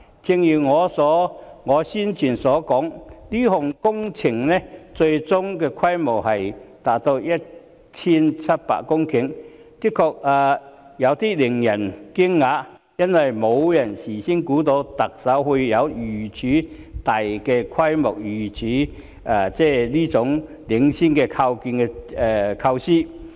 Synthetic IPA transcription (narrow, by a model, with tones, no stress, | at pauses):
t͡sɪ˧ŋjiː˨˩ŋɔː˨˧sɔː˨˥ŋɔː˨˧siː˥nt͡ʃʰyː˨˩nsɔː˨˥kɔː˨˥ŋliː˥ɦʊ˨ŋkʊ˥ŋt͡sʰɪ˨˩ŋnɛ˥t͡sɵ˧ɥjt͡sʊ˥ŋkɛː˧kʰɐ˥jmʊ˨˩whɐ˨jt̪aː˨˥k̚t̪o˧wjɐ˥t̚ | t͡sʰiː˥nt͡sʰɐ˥t̚pa̰ː˧˨kkʊ˥ŋkʰɪ˨˥ŋ | k̪ɪ˥kʰɔː˧k̚aː˨˧ | jɐ˨˧wt̪iː˥lɪ˨˩ŋjɐ˨˩nki˥ŋːaː˨˥ | jɐ˥nwɐ˨jmo˨˧wjɐ˨˩nsiː˨˩si˥nkuː˨˥t̪o˨˧wt̪ɐ˨k̚sɐ˨˥whu˧jɐ˨˧wjyː˨˩t͡sʰyː˨˥ | t̪a˨jkɛ˧kʰwɐ˥jmɔ˨k̚jyː˨˩t͡sʰiː˨˥ | aː˨˩t͡sɛː˥˩liː˥t͡sʊ˨˧˥ŋ | lɪ˨˥ŋsi˥nkɛ˧kʰa˧wkiː˧nkɛ˧ɛ˨˧kʰɐ˧wsiː˥